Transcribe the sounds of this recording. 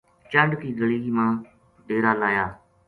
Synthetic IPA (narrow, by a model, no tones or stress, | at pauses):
t͡ʃəɳɖkiːɡəɭiːmãː | ɗeːɾaːlaːjaː